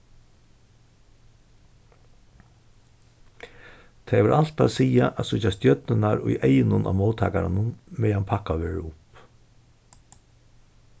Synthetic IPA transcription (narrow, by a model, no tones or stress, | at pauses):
t̪ʰɛjʋɛɹʔal̥t̪a̰siːaʔasʊt͡ʃːast̪jœt̪nɪnaɾʊ̰jʔejɪnʊnʔa̰moːt̪ʰa̰ːkaɾa̰nʊnmɛanpʰakaʋeːɹʊp